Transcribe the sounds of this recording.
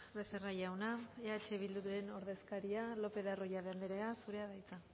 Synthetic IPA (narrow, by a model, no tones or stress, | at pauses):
βeserajawnaeat͡ʃe̞βild̪ut̪ue̞no̞ɾðe̞skaɾialo̞pe̞ðaro̞jaðeand̪eɾeasuɾe̞aðajt͡sa